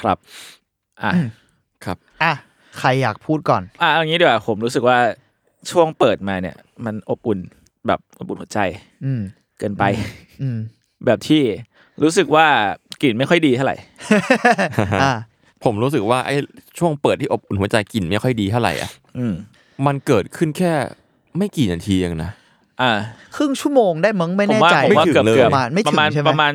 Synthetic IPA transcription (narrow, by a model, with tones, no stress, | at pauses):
kʰɾa˦˥p̚ | ʔa˨˧˩ | kʰɾa˦˥p̚ʔa˧˩ | kʰɾa˧jːaː˨˩k̚pʰuː˥˩t̪̚kɔː˨˩nʔa˨˩ʔŋi˦˥di˧˩wa˩pʰo˩˦mɾuː˦˥s̬ɯ˨˩k̚waː˥˩ | t͡ɕʰu˥˩əŋpɤː˨˩t̪̚maː˧ni˥˩ɐ | ma˧nʔo˨˩p̚ʔu˨˩n | bɛ̰ː˨˩p̚ʔo˨˩p̚ʔu˨˩nhu˩˦ə˦t͡ɕa˧j | kɤː˧npa˧j | ɯː˧ | bɛː˨˩p̚t̪ʰiː˥˩ | ɾuː˦˥sɯ˨˩k̚waː˥˩ki˨˩nma˥˩jxʰɔ˥˩jdiː˧t̪ʰa˥˩ɾa̰˨˩j | a˧˩ | pʰo˩˦mɾuː˦˥s̬ɯ˨˩k̚waː˥˩ʔa̰˧˩jt͡ɕʰu˥˩əŋpəɤː˨˩t̪ʰːiː˥˩o˨˩p̚ʔu˨˩nhu˦ət͡ɕa˧jki˨˩nma˥˩jkʰɔ˥˩jdiː˧t̪ʰa˥˩˨ɾa̰˨˩jʔa̰˨˩ʔ | ʔɯː˧m | ma˧nkɤː˨˩t̪̚kʰɯ˥˩nkʰɛː˥˩ | ma˥˩jkiː˨˩na˧t̪ʰiː˧ja˧˩ŋna˦˥ʔ | ʔaː˧kʰɾɯ˥˩ŋt͡ɕʰu˥˩˨moː˧ŋdaː˥˩jmɯ˦˥ŋma˥˩n˨ɛ˥˦waː˥˧˩a˧˨˦waː˥˩kɤ˨˩˦lɤː˧˨˩maː˧nma˥˩jpa˧˨maː˧n˥˧pa˧maː˧n